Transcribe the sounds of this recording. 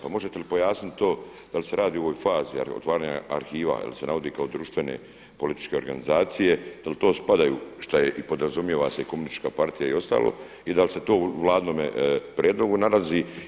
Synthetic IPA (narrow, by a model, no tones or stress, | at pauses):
pamo̞ʒet̪e̞lipo̞jaːsnit̪t̪o̞ː | d̪̥alise̞ɾʔaːd̪iːo̞ʋojfaːzḭo̰t̪ʋaːɾaːɲa̰a̰ɾxiːʋa̰ja̰lisenaʋo̞d̪ikao̞d̪ɾuːʃt̪ʋe̞ne̞̰ | po̞lit̪i̥t͡ʃke̞o̞ɾɡanizaːt̪sije̞d̪̥alit̪o̞ːspad̪ajṵːʃt̪ajeʔipo̞d̪ɾazumjeʋaseikomunist̪i̥t͡ʃkapaɾt̪ijaio̞st̪a̰ːlo̰ | id̪alise̞t̪o̞ːʋlˠaːd̪noːmepɾʲijeːd̪lo̞ɡunalazi